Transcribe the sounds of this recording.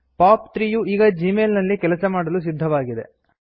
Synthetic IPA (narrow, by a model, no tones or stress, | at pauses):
paːpt̪ɾiːjuiːɡɐd͡ʒimeːlnɐlːikɛlɐsɐmaːɽɐlus̬id̪ʱːɐʋaːɡid̪e̞̰